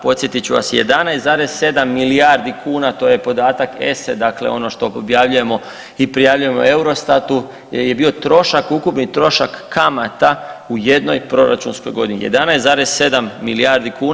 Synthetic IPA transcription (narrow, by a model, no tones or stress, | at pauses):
po̞t̪sjet̪it͡ʃuʋa̰sje̞̰d̪anajst̪zaːɾe̞sse̞d̪amːiliaɾd̪ikʰuːnat̪o̞ːje̞po̞d̪aːt̪akḛsed̪akle̞̰o̞no̞ʃt̪o̞objaʋʎuje̞mo̞ | ipɾijaʋʎuje̞mo̞̰e̞uɾo̞st̪at̪u | je̞bio̞t̪ɾo̞ʃakukupnit̪ɾo̞ʃakːamat̪aujed̪no̞jpɾo̞ɾa̰t͡ʃunsko̞jɡo̞d̪inḭje̞̰d̪anajszaːɾesse̞d̪amːiliaɾd̪ikuːn